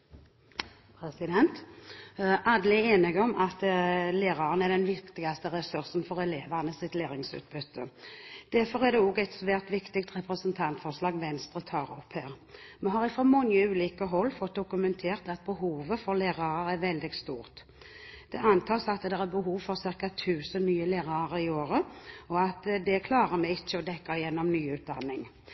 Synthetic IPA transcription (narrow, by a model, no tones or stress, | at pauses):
pʰɾɛsɪd̪ɛnt̪ | ʔɑːd̪əlɪeːnɪɡɔmʔɑt̪leːɾɑʁənæɖ̪ɛnʋɪkt̪ɪɡɑst̪əʁɛsʉʁsnfɔɾɛleːʋɑʁnəsɪt̪leːɾɪŋsʉ̰ːt̪̚bʉt̪ʰːə̰d̪̥æɾfɔʁæd̪ɛoːɡɛɪt̪sʋæːʁt̪ʋɪkt̪ɪkt̪ʁɛpɾɛsənt̪ʰɑnt̪fɔʁʂlɑːɡʋɛnst̪ʁət̪ʰɑːʁɔphæːʁ | mɛnɦɑʁɪfʁɑmɔŋəʉːliːkəɦɔlːfɔt̪̚d̪ʊkʉmɛnt̪ʰeːʁt̪ɑt̪̚bəhuːʋəfɔʁleːʁɑʁəɾɛʋɛld̪ɪɡst̪uːʁt̪ | d̪̥ɛʔɑnt̪ʰɑːsɑt̪d̪ɛʁæbəɦuːʋfɔʁsɪʁkɑt̪ʰʉːsənnyːəleːʁɑʁɪoːɾəɔɑt̪d̪ɛkʰlɑːʁəmɛɪt͡ʃːəɔd̪ɛkːɑɪjɛnːɔmnyːʉːt̪̚d̪ɑ̰nːɪŋ